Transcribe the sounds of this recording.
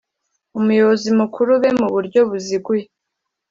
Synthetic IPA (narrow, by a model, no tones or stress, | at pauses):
umujozimukʰuɾuβe̞muβuɾɟo̞βuziɡuje